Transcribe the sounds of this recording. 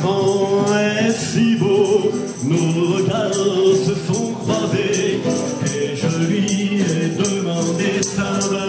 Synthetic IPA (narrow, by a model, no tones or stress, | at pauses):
kɑ̃ɛsibo | noʁəɡaʁsəsɔ̃kʁave | kɛʒəliɛd̪əmɑ̃d̪esãl